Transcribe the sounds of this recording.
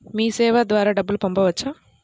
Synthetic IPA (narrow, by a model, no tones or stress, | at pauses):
miːsɛːʋad̪ʋaːɾaːɖɐbːulupɐmpɐʋɐt͡ʃːaː